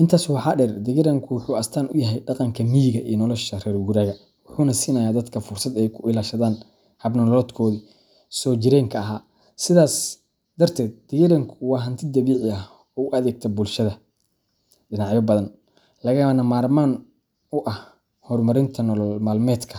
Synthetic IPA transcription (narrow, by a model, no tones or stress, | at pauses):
ʔɪnt̪ʰaːswɑħɑːɖɛrd̪ɪɣɪɾɐŋkʰʊwʊħuːɐst̪ʰaːnʔʊ̰jɐɦɛjɖɑqɑŋkʰɐmijɣɐʔiːnɔlɔʃɐrɛːrɡʊɾaːɣɐ | wʊħuːnɐsiːnɐjaːd̪ɐd̪kʰɐfʊrsɐd̪ɛjkʰʊʔɪlaːʃɐðaːn | hɐbnɔlɔːd̪kʰɔːði | sɔːd͡ʒɪɾɛːŋkʰɐɐɦaː | sɪðaːs | d̪ɐrt̪ʰɛːd̪̚d̪̥ɪɣɪɾɐŋkʰʊwɑːɦɐnt̪ʰɪd̪ɐβiːʕɪɐh | ɔːʊɐðɛːɡ̚t̪ʰɐbʊlʃɐðɐ | ɖɪnaʕjɔbɐðɐn | lɐɣɐnɐmaːrmaːn | ʊʔɐh | hɔːrmɐɾɪnt̪ʰɐnɔlɔlmaːlmɛːd̪kʰɐ